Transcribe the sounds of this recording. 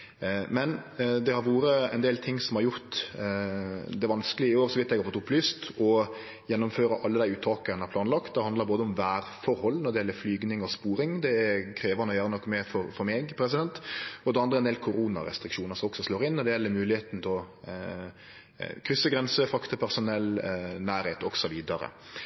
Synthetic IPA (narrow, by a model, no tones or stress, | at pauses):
mɛnd̪ɛhɑɾʋoːɾəɛ̰ɪnd̪eːlt̪ʰɪŋːsɔmhɑɾjʊɾt̪ | d̪ɛʋɑnskəlɪəɪoːɾsɔʋɪt̪ːɛɡhɑɾfɔt̪ːʊplyːst̪ɔ | jɛnːɔmføːɾəʔɑlːəd̪æɪʉːt̪ʰːɑːkənæɾpʰlɑːnlɑkt̪̚d̪ɛhɑnd̪ləɾboːd̪əɔmʋæːɾfɔɾhɔlːnɔɾɖ̪ɛɪjɛlːəɾflyːɡnɪŋɔspuːɾɪŋd̪ɛækʰɾeːʋɑnəɔjøːɾənɔkːmɛfɔɾfɔɾmɛːɡpʰɾɛs̬ɪd̪ɛnt̪ɔd̪ɛɑnd̪ʁəɛnd̪eɛlkʰʊɾuːnɑ̰ɾɛ̰st̪ɾɪkʂuːnəɾsɔmɔksɔsloːɾɪnːɔɖ̪ɛjɛlːəɾmʉːlɪheːt̪n̩t̪ʰɛlɔ | kʰɾʏsːəɡɾɛnsəfɑkt̪əpʰæɾsʊnɛlːnæːɾheːt̪ɔɡ̥sɔʋiːd̪ɑɾə̰